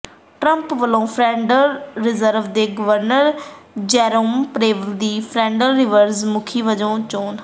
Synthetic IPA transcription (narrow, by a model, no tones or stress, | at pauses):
ʈɾəmpʋəlõːpʰɾɛ̃ːɳɖəlɾɪzəɾʋd̪eːɡəʋəɾnəɾd͡ʒɛːɾoːmpɾeːʋəld̪iːpʰɾɛ̃ːɳɖəlɾɪʋəɾzmʊkʰiːʋəd͡ʒõːt͡ʃoːn